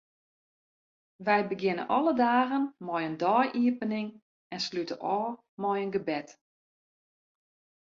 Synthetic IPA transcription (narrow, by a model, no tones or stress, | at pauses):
ʋɛjbəɡɪnə̰nʔɔlˠədaːɣənmɔjəndɔːjʔiəpənɪŋ | ɛnslytə̰ʔɔː | mɔjənɡəbɛt